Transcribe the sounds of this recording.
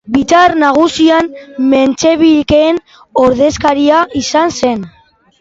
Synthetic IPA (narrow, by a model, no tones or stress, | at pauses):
bit͡saɾnaɣ̞usianme̞nt͡ʃe̞βiʎkeːn | o̞ɾðe̞skaɾiaisanse̞n